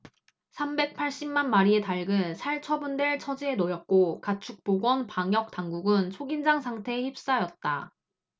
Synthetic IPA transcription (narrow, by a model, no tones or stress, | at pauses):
sʰambe̞k̚pʰaɭɕ͈immanmaɾietaɭɡɯnsʰaɭt͡ɕʰʌbundɯɭt͡ɕʰʌd͡ʑienoɾjʌk̚k͈okat͡ɕʰuk̚p͈oɡwʌnpaŋjʌk̚taŋɡuɡɯnsʰoɡind͡ʑaŋsʰaŋtʰe̞çip̚s͈ajʌt̚t͈a